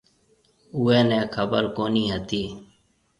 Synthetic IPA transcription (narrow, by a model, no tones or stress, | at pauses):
uːeːnɛ̃ːkʰəbəɾkoːniːɦət̪iː